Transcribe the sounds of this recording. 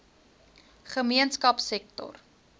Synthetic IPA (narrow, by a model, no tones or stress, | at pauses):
χəmiənskɐpsɛk̚tɔ̰r